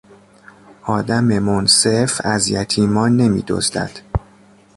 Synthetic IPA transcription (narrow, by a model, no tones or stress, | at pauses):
ʔɒːd̪æmemonse̞fæzjæt̪ʰiːmɒːne̞mḭːd̪o̰zd̪æ̰d̪̥